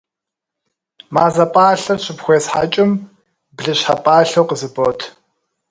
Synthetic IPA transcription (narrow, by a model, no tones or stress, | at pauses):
maːzɐpʼaːɬɐrɕɪpxʷeːsħa̰ːt͡ʃʼɪm | bɮɨɕħapʼaːɬɐwqəzɨboːtʰ